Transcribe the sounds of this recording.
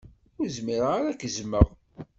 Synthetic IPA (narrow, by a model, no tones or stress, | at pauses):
ʊɾzmiɾaɾakzməʁ